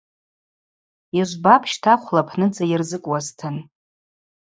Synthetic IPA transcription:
iʒʷbapʰʃtʰaχʷlapʰnɨd͡zajɪrzɨkʷʼwaztʰɨn

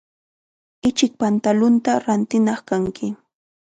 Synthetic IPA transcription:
ɪt͡ʃɪk̚pant̪alʊnt̪aɾant̪ɪnɑχkaŋkʰɪ

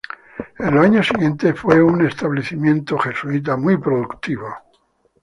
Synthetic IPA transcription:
elaɲosiɣje̞nt̪e̞fwe̞une̞st̪aβleθimjẽ̞nt̪oxe̞suit̪̬amwipɾoðukt̪iβo

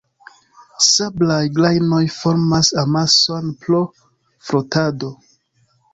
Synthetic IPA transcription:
sablajɡlajnojfo̞ɾmasamasonplo | fɾotado̞

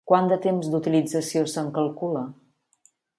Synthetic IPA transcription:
kwand̪ət̪emzd̪ut̪ilid͡zəsiosəŋkəlˠkulə

